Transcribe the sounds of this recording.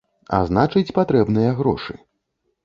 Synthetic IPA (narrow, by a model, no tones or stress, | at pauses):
a̰znat͡ʂɨt͡sʲpat̪ɾɛbnɨjɐɣɾɔ̰ʂɨ̰